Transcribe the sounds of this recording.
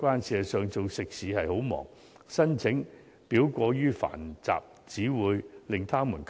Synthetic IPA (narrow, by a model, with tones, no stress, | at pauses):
kʷaː˥nsiː˨˧ɐ˨sœː˨˧ŋt͡so˨wsɪ˨k̚siː˨˥hɐ˨jho˨˥wmɔ̰ː˨˩ŋ | sɐ˥nt͡sʰɪ˨˥ŋ | piː˨˥wkʷɔː˧jyː˥fa̰ː˨˩nt͡sa̰ː˨p̚ | t͡siː˨˥wuː˨˧jlɪ˨ŋt̪ʰaː˥mu˨˩nkʰ